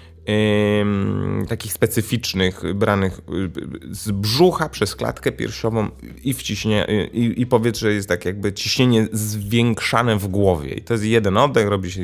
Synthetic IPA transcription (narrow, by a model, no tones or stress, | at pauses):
t̪akʲixspɛt̪sɘfʲit͡ʂnɘxbɾanɘx | zbʐuxapʂɛskla̰t̪kɛpʲjɛ̰ɾfɕɔvɔ̃w̃ | ift͡ɕiɕɲaiipɔvʲjɛt̪zʐɛjɛst̪ːakʲjaɡ̚bɘt͡ɕiɕɲeɲɛzvʲjɛŋkʂanɛvɡwɔvʲjɛ̰ḭt̪ɔjɛs̬t̪jɛd̪ɛnɔd̪ːɛxɾɔbʲiɕɛ